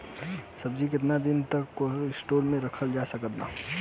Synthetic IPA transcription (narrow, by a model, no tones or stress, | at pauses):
sɐb̚d͡ʒik̬ɪt̪nad̪ɪnt̪əkːoɪsʈoːɾmẽɾəkʰəld͡ʒasəkət̪na